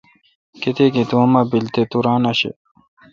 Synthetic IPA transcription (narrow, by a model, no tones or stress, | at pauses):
ket̪ekit̪uɐmabilt̪et̪uɾaːnɐɕḛ